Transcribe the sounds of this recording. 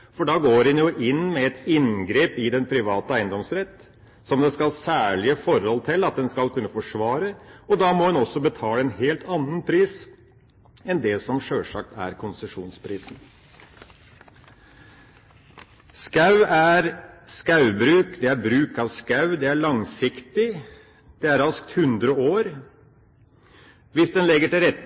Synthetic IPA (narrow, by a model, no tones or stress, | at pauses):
fɔɖɑːɡoːɾhɛnjʊʔɪnmɛɛt̪ɪnɡɾeːpɪd̪ɛnpʰɾɪʋɑːt̪əæɪənd̪ɔmsɾɛt̪ː | sɔmd̪ɛskɑlsæːɭɪəfɔɾɔlt̪ʰɪlːɑt̪̚d̪ɛnskɑlkʰʉnːəfɔʂʋɑːɾəɔd̪ɑːmɔɛnɔsːɔbət̪ʰɑːləɛnheːlt̪ʰɑnːənpʰɾiːs | ɛnd̪ɛsɔmʂøːʂɑ̰k̚t̪ʰæ̰ɾkʰʊnsəʂuːnspʰɾiːsn | skɑʉæɾskɑʉbɾʉːkd̪ɛæɾbɾʉːkɑʋskɑʉd̪ɛæɭɑŋsɪkt̪ɪ | d̪̥ɛæɾɑsk̚t̪hʉnd̪ɾəoːɾ | ʋɪsd̪ɛnlɛɡːəʈɪlɾɛt̪ː